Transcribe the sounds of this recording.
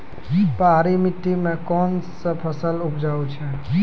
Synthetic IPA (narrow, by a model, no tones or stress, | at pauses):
paɦɾimɪʈ̪ːimẽkɔːnsəpʰəsəlʊpʰd͡ʒaːũt͡ʃʰe